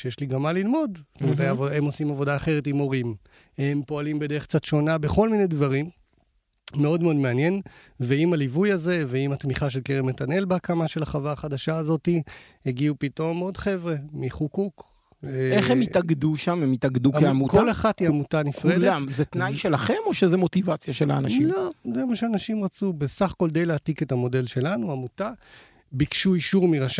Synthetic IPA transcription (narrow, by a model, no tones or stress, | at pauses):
ʃejeʃliɡamːalilmo̞dst̪omeetajavoemo̞simavo̞daːχe̞ʁetimo̞ʁim | hempo̞alimbe̞d̪e̞ʁek̚t͡sat̪ʃo̞nabeχo̞lminejdvaʁimː | e̞o̞dmeo̞dmeanje̞n | ve̞imalivujaze̞veimat̪miχaʃ̬elkeʁemetane̞lbeakamaʃe̞laχavaːχadaʃaːzo̞tiheɡiupito̞mo̞dχe̞vʁe̞miχukuk | eχemitaɡduʃamemitaɡdukeamutkolaχatiamutanifʁeldamzet̪najʃelaχe̞mo̞ʃezemo̞tivat͡sjaʃela̰ːnaʃilozemaʃeanaʃimʁat͡subesaχko̞ld̪e̞jleatike̞tamo̞de̞lʃe̞lanuamuta | bikʃuiʃuʁmiʁaʃa